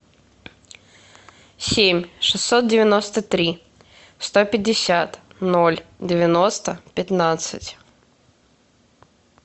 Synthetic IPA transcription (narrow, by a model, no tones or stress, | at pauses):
sʲemʲʂɨsːot̪̚dʲɪvʲɪno̞st̪ət̪ɾʲi | st̪opʲɪdʲːɪsʲat̪nolʲdʲɪvʲɪnost̪əpʲɪt̪nat̪sɨtʲ